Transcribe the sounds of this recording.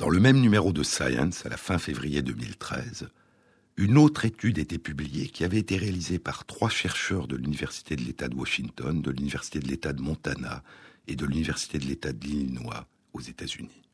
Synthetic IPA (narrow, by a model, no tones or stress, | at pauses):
d̪ɑ̃ləmɛmnymeʁod̪əsajɑ̰̃nsala̰fɛ̃fevʁijed̪əmḭlt̪χɛ̰z | ynot̪χet̪yd̪et̪epyblijekʲiavɛet̪eʁealizepaʁ̥t̪χwaʃɛʁʃœʁd̪əlynivɛʁsi̥t̪ed̪əlet̪ad̪əwaʃiŋt̪ɔnd̪əlynivɛʁsi̥t̪ed̪əlet̪ad̪əmɔ̃t̪ana̰ed̪əlynivɛʁsi̥t̪ed̪əlet̪ad̪əlilnwa̰ | ozet̪azyni